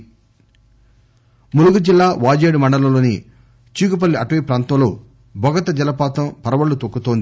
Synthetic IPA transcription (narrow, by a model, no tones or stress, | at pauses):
muluɡud͡ʒilːaːʋaːd͡ʒeːɽumɐɳɖɐlɐloːni | t͡ʃiːkup̬ɐlːiʔɐʈuʋeːpɾaːnt̪ɐmloː | bʱɔɡɐt̪ɐd͡ʒɐlɐpaːt̪ɐmpɐɾɐʋɐɭːut̪okːut̪o̞ːnd̪i